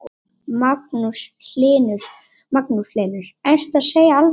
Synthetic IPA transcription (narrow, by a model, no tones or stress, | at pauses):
mak̚nuslɪːnʏɾ̥ | maknusleːnʏɾ̥enst̪aðseːjaal